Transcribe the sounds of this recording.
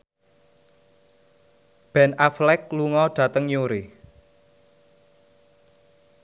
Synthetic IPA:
b̥ɛ̤naflɛk̚luŋɔɖ̥ä̤t̪əŋjuɾɪ

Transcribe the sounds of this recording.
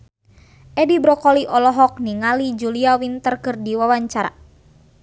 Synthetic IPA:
ʔɛdibɾɔkɔliʔɔlɔɦɔk̚niŋalid͡ʒuliawint̪ərkɨrdiwawaɲt͡ʃaɾa̰

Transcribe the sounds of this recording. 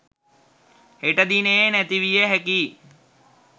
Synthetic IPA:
heʈəd̪inejenæt̪iʋijəɦækiː

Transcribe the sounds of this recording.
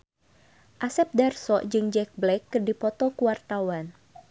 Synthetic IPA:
ʔasɛp̚darsɔʔd͡ʒɨŋd͡ʒɛk̚blɛkːərdipɔt̪ɔkuwart̪awan

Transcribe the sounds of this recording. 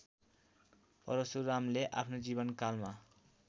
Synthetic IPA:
pʌ̰ɾosuɾamleʔa̰pʰnod͡zibʌnkalma

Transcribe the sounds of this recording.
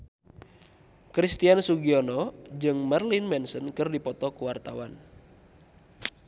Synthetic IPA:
kɾist̪iansuɡiɔnɔd͡ʒɨŋmɛrlinmɛnsənkɨrdipɔt̪ɔkuwart̪awan

